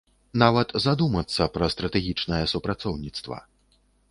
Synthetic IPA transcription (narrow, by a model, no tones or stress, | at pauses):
navɐt̪zad̪umɐt̪sːɐpɾɐst̪ɾɐt̪ɛɣʲit͡ʂnɐjɛsupɾat̪sɔwnʲit̪st̪vɐ̰